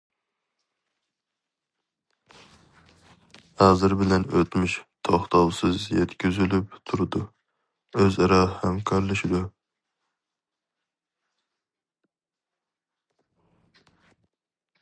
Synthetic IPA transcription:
ɑːzɨɾbɪlɛnøt̪myʃt̪ʰoχt̪ʰɑwsɨzjɛt̪kʲyzylypt̪ʰuɾɨd̪u | øzɑɾɑhɛmkʰɑɾlˠɨʃid̪u

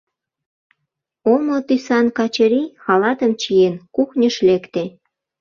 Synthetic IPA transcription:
omot̪ysɑnkɑt͡ɕəɾixɑlɑt̪əmt͡ɕijenkuxnʲəʃlekt̪e

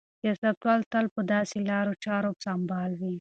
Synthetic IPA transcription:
jɑsat̪wɑlt̪alpəd̪ɑselɑɾot͡ʃɑɾopsɑmbɑlwi

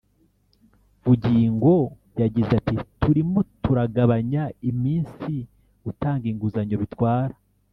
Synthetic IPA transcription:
βuɟiːŋɡo̞bjaɟizatitʰuɾimo̞tuɾaɡaβaɲaimiːnsi | utaːŋɡiŋɡuzaɲoβitwaːɾa

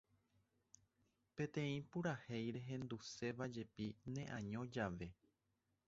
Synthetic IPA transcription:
pẽ̞t̪ẽ̞ĩpuɾahejɾe̞ɦẽ̞nd̪use̞ʋad͡ʒe̞pinẽ̞ʔãɲõd͡ʒaʋe̞

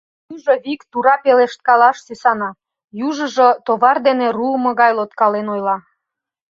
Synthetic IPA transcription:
juʒoβikt̪uɾɑpeleʃt̪̚kɑlɑʃsesɑnɑ | juʒə̆ʒot̪oβɑrd̪enerulmɤ̆ɣɑjlot̪kɑlenojlɑ

